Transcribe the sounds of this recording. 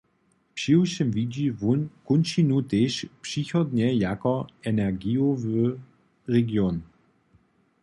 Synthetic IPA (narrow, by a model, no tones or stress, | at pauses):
pɕiwʃɪmvid͡ʑivukunʃinut̪eʃpʂiçɔd̪ɲɛjakɔɛnɛʁɡiovø | ʁɛɡjon